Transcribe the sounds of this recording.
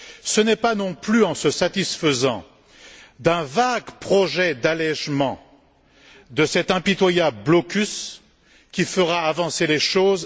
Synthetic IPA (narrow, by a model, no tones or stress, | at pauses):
sənɛpanɔ̃plyɑ̃səsat̪isfəzɑ̃ | d̪ɛ̃vaɡpχɔʒɛd̪alɛʒmɑ̃ | d̪əsɛt̪ɛ̃pit̪wajabləblɔkʲys | kʲifəʁaːvɑ̃seleʃoz